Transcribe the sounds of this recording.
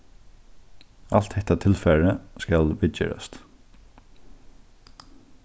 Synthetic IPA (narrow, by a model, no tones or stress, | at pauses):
al̥t̪hɛht̪at̪ʰɪlfɛɹəskalbɪɛ̰ɾa̰st̪